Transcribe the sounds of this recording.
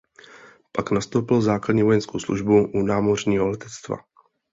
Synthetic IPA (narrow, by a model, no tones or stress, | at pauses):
paknast̪owpɪlzaːkladɲiːvo̞jɛnskowslṵʒbuʔunaːmorɲiːɦolɛt̪ɛt͡st̪va̰